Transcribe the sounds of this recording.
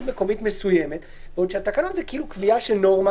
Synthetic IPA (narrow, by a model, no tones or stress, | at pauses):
meko̞mit̪mesujemet̪ | veodʃeat̪akanonzekiilukviaʃenoʁma